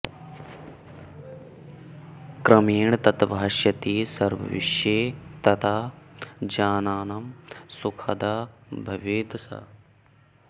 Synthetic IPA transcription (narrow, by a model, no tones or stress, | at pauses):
kɾɐmeːɳ̃t̪ɐt̪ʋɐɦɐʃjɐt̪iːsɐɾʋɐ̰ʋḭʃjeːt̪ɐt̪aːd͡ʒaːnaːnɐmsukʰɐ̰d̪aːbʱɐʋeːd̪sɐ̰